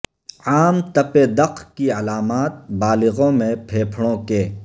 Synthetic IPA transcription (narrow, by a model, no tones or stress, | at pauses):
aːmt̪ɐped̪ɐqkiɐlaːmaːt̪̚baːlɪɣõmẽpʰeːpʰɽ̃õkeː